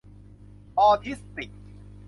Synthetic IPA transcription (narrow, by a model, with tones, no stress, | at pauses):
ʔɔː˧t̪ʰi˦˥st̪i˨˩k̚